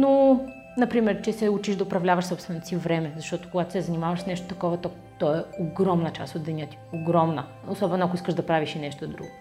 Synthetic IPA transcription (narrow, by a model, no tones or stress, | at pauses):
no | nɐpɾimɛɾt͡ʃɛsɛut͡ʃiʒd̪ɐʊpɾɐvlʲavəʃsɔpst̪vɛnt̪osivɾɛmɛzɐʃt̪ɔt̪o̥koɡat̪o̥sɛzɐnimavɐʃsnɛʃt̪o̥t̪ɐkɔvɐt̪ɔ | t̪ɔɛoɡɾɔmnət͡ʃa̰st̪od̪d̪ɛnʲət̪i̥oɡɾɔmnə | osɔbɛnoakoiskəʒd̪ɐpɾaviʃinɛʃt̪od̪ɾṵɡo